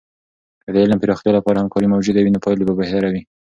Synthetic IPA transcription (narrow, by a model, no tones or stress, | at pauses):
əd̪əɪlampiɾɑxt̪jɑlapɑɾahamkɑɾimawd͡ʒud̪awinopɑjlobabaht̪aɾawi